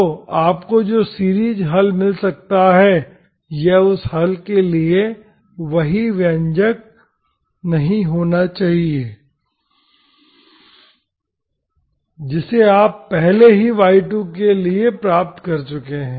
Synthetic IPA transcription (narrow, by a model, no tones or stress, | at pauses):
oaːpkod͡ʒoːsiːɾiːd͡ʒɦɐlmɪlsɐk̚t̪aɦɛ | jeʊshɐlkelie | ʋɐɦiʋjə̃ɲd͡ʒək̚ | nɐɦĩɦoːnat͡ʃaːɦieː | d͡ʒɪseaːpːɛɦleɦiʋaːɪʈõkeliepɾaːp̚t̪kɐɾt͡ʃʊkeɦɛ̃ː